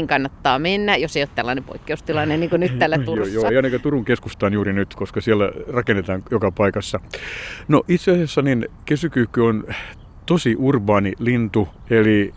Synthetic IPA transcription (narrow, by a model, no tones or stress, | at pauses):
ŋkɑnːɑt̪ːɑːmenːæjoseijot̪ælːɑ̰ːnepo̰ikːeust̪ilɑneniːŋkonyt̪ælːæt̪urjoːeɑnekæt̪uruŋkeskust̪ɑːnjuːrinyt̪koskɑsiælːærɑkenːet̪ɑːŋjokɑpɑikɑsːɑnoʔit̪seɑsjɑsːɑninkesykyːkːyon | t̪osiʔurbɑːnilint̪u | eli